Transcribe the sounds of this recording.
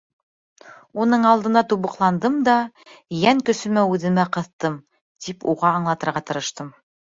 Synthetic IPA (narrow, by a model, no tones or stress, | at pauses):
unɤɴɑlˠd̪ɤ̆nɑt̪uβɤ̆qlˠɑnd̪ɤmd̪ɑ | jæŋkɵ̆sɵ̆mæʉðɘ̆mæqɤ̆θt̪ɤm | t̪ipuʁɑːɴlˠɑt̪ɤ̆ɾʁɑt̪ɤ̆ɾɤ̆ʃt̪ɤm